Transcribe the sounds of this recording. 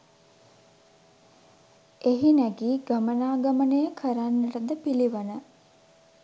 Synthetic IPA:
eɦinæɡiːɡamənaːɡamənəjəkʰəɾanːəɾəd̪əpiliʋənə

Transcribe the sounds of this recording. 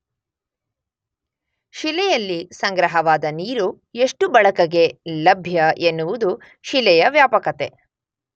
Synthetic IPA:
ʃilɛjɐlːisɐŋɡɾɐɦɐʋaːd̪ɐniːɾu | eʂʈubɐɭɐkɐɡe̞lɐbʱjɐʔenːuʋud̪u | ʃilɛjɐʋjaːpɐkɐt̪e̞

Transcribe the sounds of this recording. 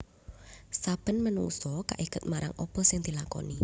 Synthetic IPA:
sab̥ə̤nmənṵŋsɔkaʔiɡ̥ə̤t̪̚maɾaŋʔɔb̥ɔ̤sɪŋd̪̥i̤lakɔ̰ni

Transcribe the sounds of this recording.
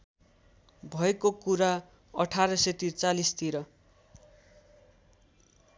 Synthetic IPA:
bʱʌekokuɾa | ʌʈʰaɾʌset̪it͡salist̪ʰiɾʌ

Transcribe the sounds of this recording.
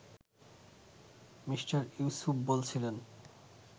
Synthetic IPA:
miʃʈaɾisupbolt͡ɕʰilen

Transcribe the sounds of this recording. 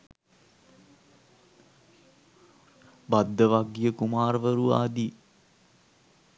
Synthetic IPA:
bad̪ːəʋaɡijəkumaːɾʋəɾua̰ːd̪i

